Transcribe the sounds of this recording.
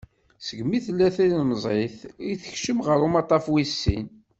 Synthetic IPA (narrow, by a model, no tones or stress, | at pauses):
səɡmiθəlːæθinəzˤeθiθəçʃəmʁəɾumɑt̪ˤɑfwisːḭn